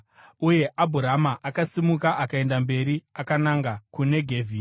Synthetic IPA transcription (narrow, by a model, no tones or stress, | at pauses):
uje̞ʔabʱuɾamaʔakasimukaʔakae̞ndambe̞ɾiakanaŋɡakune̞ɡʱe̞ːvʱi